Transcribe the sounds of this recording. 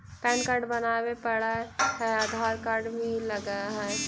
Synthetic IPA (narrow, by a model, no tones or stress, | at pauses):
pɛ̃ːnkaɾɖbənawepəɽahɛad̪ʱaːɾkaɾɖbʱiləɡaɦɛ